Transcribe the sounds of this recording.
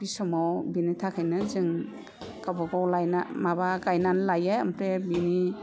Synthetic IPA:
bisɔmɔwbinitʰakʰajnɯzɯŋ | kabɔɡawlajnamabaɡajnanlajeɐmpɾebini

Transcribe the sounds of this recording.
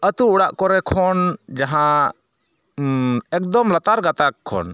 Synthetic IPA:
ət̪uːɽaʔkɔɾɛkʰɔnd͡ʒaɦã | ɛk̚d̪ɔmlat̪aɾɡat̪akʰːɔ̰n

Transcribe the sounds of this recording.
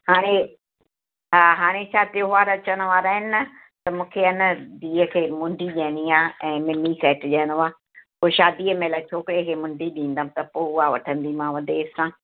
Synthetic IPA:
haːɽ̃e | ɦaːɦaːɽ̃et͡ʃʰaːt̪joɦʊaɾɐt͡ɕəɽ̃əʋaːɾaɦɪnɪnɐ | t̪ɐmũːkʰeɪnəd̪iːəkʰeːmʊ̃ɳɖʱiʄẽːniaːɛ̃ːmɪnikɛːʈʄeːnaː | poːʃaːd̪iːəmẽlaːt͡ɕʰoːkɪɾeəkʰeːmʊ̃ɳɖʱiɗĩːn̆d̪əm̃t̪ɐpoːʊaʋɐʈʰə̃nd̪imãːʋəd̪eːsãː

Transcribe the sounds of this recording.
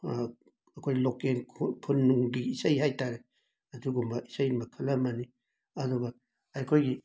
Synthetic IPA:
ɐkʰojlokenʰpʰunːuŋdiːsajhajtaɾe | ɐduɡumɐʔisajmakʰɐlɐmani | ɐduɡɐ | ajkʰojɡi

